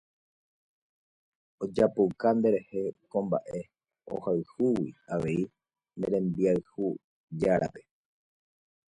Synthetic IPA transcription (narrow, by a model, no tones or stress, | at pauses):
o̞d͡ʒapowkand̪e̞ɾe̞he̞kõ̞mba̰ʔe̞ | o̰haɨhuwiaʋe̞i | nd̪eɾẽ̞mbiaɨhu | d͡ʒaɾʔape̞